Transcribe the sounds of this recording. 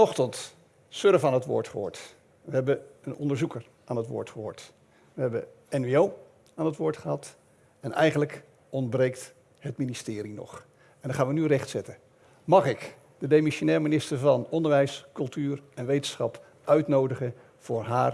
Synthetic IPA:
ɔχtənt | søɾəfaːnɦətʋʊ̰ːɹtχəɦʊ̰ːɹt | ʋəɦɛbəənɔ̰ndəɹzukəɹ | ʔaːnɦətʋʊ̰ːɹtχəɦʊ̰ːɹt | ʋəɦɛbə | ɛniow | aːnɦətʋʊːɹtχəɦɑt | ɛnɛ̰jχənlək | ɔndbrejkt | ɦətministɪːɾinɔ̰χ | ɛndɑχaːnʋənyrɛχtsɛtən | mɑχɪk | d̥ədemiʃonɛːlminɪstəɹvɑnɔndəɹʋɛjskɵlˠtyːɹɛnʋejtənsχɑp | ʔœɥtnowdəχən | v̥ʊːɹɦaːr

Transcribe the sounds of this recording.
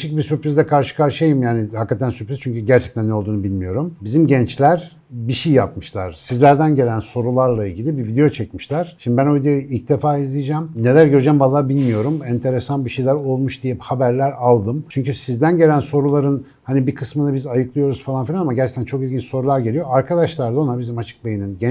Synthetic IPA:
ʃicbisypɾizd̪ɛkʰaɾʃɯ̥kʰaɾʃjajimjaːnihakːat̪ʰænsypɾiz̥t͡ʃʰyɲcyɟæɾt͡ʃʰɛ̥c̚t̪ʰænnːeolˠd̪uːnubilʲmijo̞ɾumbizimɟɛnt͡ʃlʲæɾ | biʃejjapmɯʃlˠa̰ɾ̥sizlʲæɾd̪ænɟe̞lʲænso̞ɾulˠaɾlˠailʲɟilʲibivid̪ejo̞t͡ʃʰecmiʃlʲˠæɾ̥ʃimd̪ibænojid̪ejojilʲc̚d̪e̞faːizlʲijid͡ʒæmne̞lʲæɾɟø̞ɾyd͡ʒɛmbalˠːaːbilʲmijo̞ɾumɛnt̪ʰe̞ɾesanbiʃejlʲæɾo̞lˠmuʃd̪ijɛhabæɾlʲæɾalˠd̪ɯmt͡ʃʰyɲcysizd̪ænɟe̞lʲænso̞ɾulˠaɾɯn | hanibikʰɯsmɯnɯbizajɯklˠɯjo̞ɾuz̥falˠanfilʲanamaɟæɾt͡ʃʰɛ̥ct̪ʰænt͡ʃʰo̞kilʲɡɟint͡ʃso̞ɾulˠaɾɟe̞lʲijoaɾkʰad̪aʃlˠaɾlˠao̞nabizimat͡ʃʰɯ̥k̚bejininɟɛ

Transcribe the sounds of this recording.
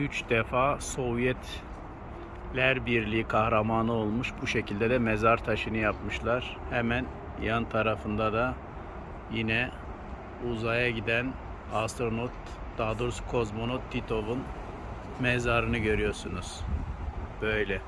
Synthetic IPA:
yt͡ʃd̪ɛfaːso̞vjɛt̪ | lʲæɾbiɾlʲiikʰahɾamaːnɯo̞lˠmuʃbuʃe̞cʰilʲd̪ɛd̪ɛmezaɾt̪ʰaʃɯnɯjapmɯʃlˠaɾ̥hɛmæn | jant̪ʰaɾafɯnd̪ad̪a | jinɛ | uzajaɟid̪æn | ast̪ɾonot̪ | d̪ad̪uɾskʰo̞zmo̞not̪ʰːit̪ʰo̞vun | mɛzaɾɯnɯɟø̞ɾyjo̞ɾsunuz̥ | b̥ø̞jlʲɛ

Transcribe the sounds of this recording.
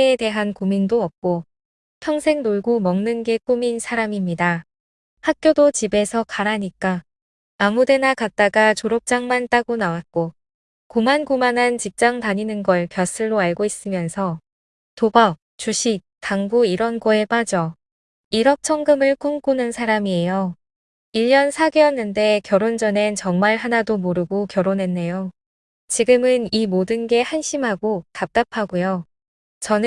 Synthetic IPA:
eːde̞ɦankumindoʌp̚k͈o | pʰjʌŋsʰe̞ŋnoɭɡomʌŋnɯnɡe̞k͈uminsʰaɾamimɲida | hak̚k͈jodot͡ɕibe̞sʰʌkaɾaɲik͈aː | mude̞nakat̚t͈aɡat͡ɕoɾʌp̚t͡ɕ͈aŋmant͈aɡonawat̚k͈o | komanɡumanɦant͡ɕip̚t͡ɕ͈aŋtaɲinɯnɡʌɭkjʌs͈ʰɯɭːoaɭɡois͈ɯmjʌnsʰʌ | tobak̚t͡ɕuɕʰik̚taŋɡuiɾʌnɡʌe̞p͈ad͡ʑʌ | iɾʌk̚t͡ɕʰʌŋɡɯmɯɭk͈oŋk͈unɯnsʰaɾamie̞jʌ | iʎːʌnsʰaɡejʌnːɯnde̞kjʌɾond͡ʑʌne̞t͡ɕʌŋmaɭɦanadomoɾɯɡokjʌɾonɦe̞nːe̞jo | t͡ɕiɡɯmɯnimodɯnɡe̞hanɕʰimɦaɡotap̚t͈apʰaɡujo | t͡ɕʌnɯ

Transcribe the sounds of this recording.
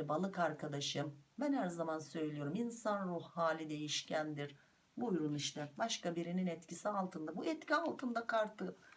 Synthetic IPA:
balˠɯkaɾkʰad̪aʃɯmbænhæɾzamansø̞jlʲijo̞ɾuminsanɾuhhaːlʲid̪e̞jiʃcʰænd̪iɾ̥ | buːjɾunˠɯʃt̪abaʃkabiɾininɛt̪cʰisialˠt̪ʰɯnd̪abuʔɛt̪cialˠt̪ʰɯnd̪akʰaɾt̪ʰɯ

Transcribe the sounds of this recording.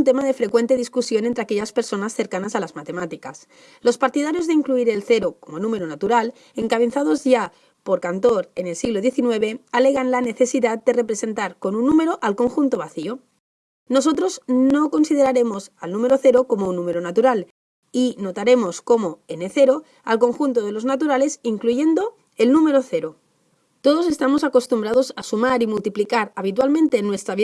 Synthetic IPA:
nt̪e̞mað̞e̞fɾe̞kwe̞nt̪e̞ðiskusjo̞nent̪ɾeake̞ʎaspe̞ɾso̞nasθe̞ɾkanasalazmat̪e̞mat̪ikas | lo̞spaɾt̪ið̞aɾjo̞zðeiŋkluiɾe̞lθe̞ɾoko̞mo̞nũme̞ɾonat̪uɾal | e̞ŋkaβenθað̞o̞zʝa | po̞ɾkant̪o̞ɾe̞ne̞lsiɣlo̞ðje̞θinwe̞β̞e̞ale̞ɣ̞anlane̞θe̞siðat̪̚d̪e̞re̞pɾe̞se̞nt̪aɾko̞nunːume̞ɾo̞ʔalkoŋxunt̪o̞β̞aθio̞ | no̞so̞t̪ɾo̞zno̞ko̞nsið̞e̞ɾaɾe̞mo̞salnũme̞ɾo̞θe̞ɾoko̞mounːũme̞ɾonat̪uɾal | ino̞t̪aɾe̞mo̞sko̞mo̞eneθe̞ɾo̞ | a̰lko̞ŋxunt̪oð̞e̞lo̞znat̪uɾale̞siŋkluʝe̞nd̪o̞ | e̞lnume̞ɾo̞θe̞ɾo | t̪o̞ð̞o̞s̬e̞st̪amo̞sako̞st̪umbɾað̞o̞sasumaɾimult̪iplikaɾaβ̞it̪̬walmẽ̞nt̪e̞nwe̞st̪ɾaβi

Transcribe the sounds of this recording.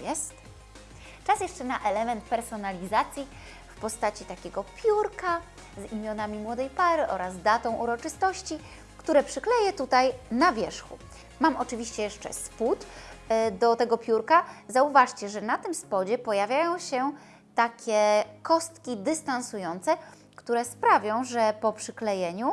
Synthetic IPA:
jɛst̪ | t͡ʂasjɛʂt͡ʂɛnaʔɛlɛmɛnt̪̚pɛɾsɔnalʲizat̪sʲji | fpɔst̪at͡ɕit̪akʲɛɡɔpʲjuɾka | zimʲjɔnamʲimwɔd̪ɛjpaɾɘʔɔɾazd̪at̪ɔ̃w̃ʔuɾɔt͡ʂɘst̪ɔɕt͡ɕi | kt̪uɾɛpʂɘklɛjɛt̪ut̪ajnavʲjɛʂxṵ | mamʔɔt͡ʂɘvʲiɕt͡ɕɛjɛʂt͡ʂɛ̰sput̪ | d̪ɔt̪ɛɡɔpʲjuɾkazauvaʂt͡ɕɛʐɛnat̪ɘmspɔd͡ʑɛpɔjavʲjajɔ̃w̃ɕɛ | t̪akʲɛkɔst̪kʲid̪ɘst̪ansujɔnt̪sɛ | kt̪uɾɛspɾavʲjɔ̃w̃ʐɛpɔpʂɘklɛjɛɲu

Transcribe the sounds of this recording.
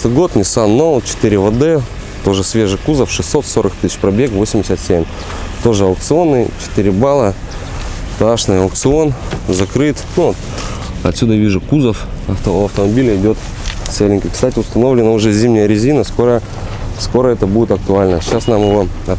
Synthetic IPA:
t̪ɨɡo̞t̪nʲɪsanːoʊt͡ɕɪ̥t̪ɨɾʲɪvəd̪ɛ | t̪o̞ʐɨsvʲe̞ʐɨkuzəfʂɨsːo̞t̪so̞ɾəkt̪ɨ̥sʲɪ̥t͡ɕpɾɐbʲe̞kvo̞sʲɪmʲdʲɪsʲət̪sʲemʲ | t̪o̞ʐɨɐʊk̚t̪sɨo̞nːɨjt͡ɕɪ̥t̪ɨɾʲɪbalˠə | t̪ɐaʂnɨjɐʊk̚t̪sɨo̞nzɐkɾɨt̪nut̪ | ɐ̰t̪sʲud̪əvʲiʐɨkuzəfɐft̪əɐft̪əmɐbʲilʲɪɪdʲo̞t̪ | t̪selʲɪnʲkʲɪkst̪atʲɪʊst̪ɐno̞vlʲɪnəʊʐɛzʲimnʲɪjəɾʲɪzʲinəskoɾə | sko̞ɾəɛt̪əbudʲɪt̪ɐk̚t̪ʊalʲnəɕasnamjɪvo̞ | ɐ

